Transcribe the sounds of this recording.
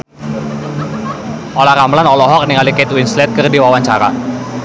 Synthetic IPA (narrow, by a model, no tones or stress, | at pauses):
ʔolahɾamlanɔlɔɦɔk̚niŋalikɛt̪winslɛt̪̚kərdiwawaɲt͡ʃaɾa̰